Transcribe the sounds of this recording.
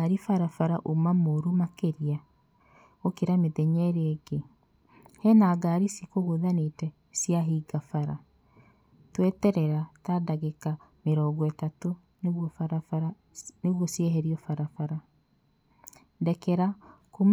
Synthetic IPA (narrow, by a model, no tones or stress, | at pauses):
aɾifaɾafaɾaʔomamoɾumakeɾia | okeɾameðɛɲɛɾeːɡe | hɛnaːɡaːɾisikoɣoðanetɛ | sjaɦiɡafaɾa | twetɛɾɛɾatadaɣekameɾɔːɡɔɛtato | nɣwɔɾ | neɣwɔsjeɦɛɾiɔfaɾafaɾa | dɛkɛɾakum